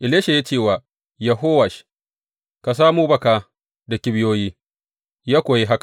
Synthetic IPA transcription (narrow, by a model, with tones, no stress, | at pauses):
ʔɪ˨leː˦ʃe˨ja˦t͡ʃeː˦˨waː˨ | jɐ˨ɦoː˦wa˨ʃ | ka˨s̬aː˦muː˦bɐ˨kaː˦ | dɐ˨kʲi˦bɪ˦joː˦jiː˦ | jaː˦kʷoː˨ji˦ɦa˦kḁ˨